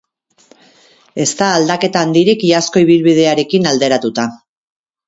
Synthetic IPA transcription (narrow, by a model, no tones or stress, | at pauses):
e̞st̪aːld̪ake̞t̪aːnd̪iɾikiasko̞iβ̞ilβið̞e̞aɾe̞kinald̪e̞ɾat̪ut̪a